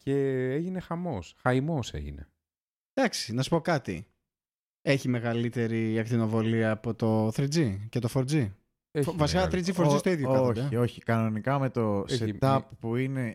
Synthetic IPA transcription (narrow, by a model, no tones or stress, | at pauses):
ceeʝine̞xɐmo̞sxɐimo̞se̞̰ʝḭnḛ | d̪̥ɐksi̥nɐsu̥po̞kɐt̪ḭ | e̞çime̞ɣɐlit̪e̞ɾiɐkt̪ino̞vo̞liɐːpo̞t̪o̞θɾid͡zicet̪o̞foɾd͡zi | vɐsikɐɐθɾid͡zifozist̪oiðjoɐod̪ɐo̞çikɐno̞nikɐme̞t̪o̞set̪ɐpːuine̞